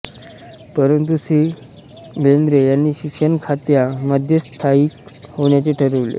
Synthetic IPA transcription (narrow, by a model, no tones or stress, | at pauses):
pəɾənt̪̬usiː | bʱend̪ɾejanːiːɕikʂəɳkʰat̪jaməd̪ʱjəst̪ʰaiːt̪hoɳ̃jat͡seʈʰəɾəʋlḛ